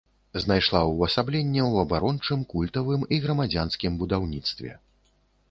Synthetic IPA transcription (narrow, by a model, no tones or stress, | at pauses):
znajʂlˠawɐsablʲɛnʲːɛwɐbaɾɔnt͡ʂɨmkulʲt̪ɐvɨmiɣɾɐmad͡zʲanskʲimbud̪awnʲit̪st̪vʲɛ̰